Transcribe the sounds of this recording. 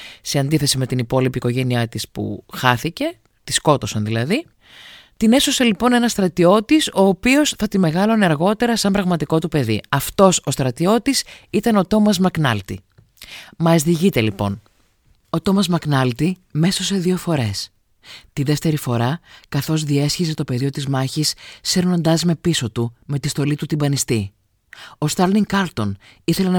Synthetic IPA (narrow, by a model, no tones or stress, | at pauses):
se̞ɐnd̪iθe̞sime̞t̪inipo̞lipiːko̞ʝe̞niɐt̪ispṵxɐθice̞ | t̪isko̞t̪o̞sɐnðilɐði | t̪ine̞sose̞lipo̞ne̞nɐst̪ɾɐt̪io̞t̪iso̞ːpio̞sθɐt̪ime̞ɣɐlo̞nɐɾɣo̞t̪e̞ɾɐsɐmbɾɐɣmɐt̪iko̞t̪upe̞ðḭɐft̪o̞so̞st̪ɾɐt̪io̞t̪isit̪ɐnot̪o̞mɐzmɐknɐ̰lt̪ḭ | mɐzðiʝit̪e̞lipo̞̰n | o̞t̪o̞mɐzmɐknɐlt̪ime̞so̞se̞ðio̞fo̞ɾe̞s | t̪iðe̞ft̪e̞ɾifo̞ɾɐkɐθo̞zðie̞sçize̞t̪o̞pe̞ðio̞t̪izmɐçisːeɾno̞nd̪ɐzme̞piso̞t̪ume̞t̪ist̪o̞lit̪ut̪ibɐnist̪i | o̞st̪ɐɾniŋkɐɾt̪o̞n | iθe̞lenɐ